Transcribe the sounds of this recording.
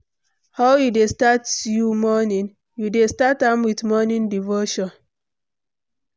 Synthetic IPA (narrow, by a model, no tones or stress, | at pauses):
haʊjudestatjumɔnĩn | judestatãmwiθmɔnĩndivoʃɔ̃n